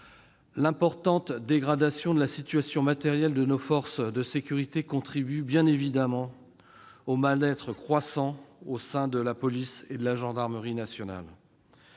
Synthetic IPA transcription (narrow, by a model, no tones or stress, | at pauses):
lɛ̃pɔʁt̪ɑ̃t̪d̪eɡʁad̪asjɔ̃d̪əlasit̪ɥasjɔ̃mat̪ɛʁjɛld̪ənofɔʁsd̪əsekʲyʁit̪ekɔ̃t̪χibybjɛ̃nevid̪amɑ̃ | omalɛt̪χəkχwasɑ̃osɛ̃d̪əlapɔlised̪əlaʒɑ̃d̪aʁməʁinasjɔna̰l